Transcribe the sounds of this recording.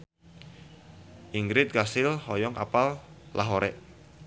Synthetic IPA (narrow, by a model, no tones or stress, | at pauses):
ʔiŋɡɾɪt̪̚ɡasɪlhɔjɔŋa̰pallaɦoɾɛ̰ʔ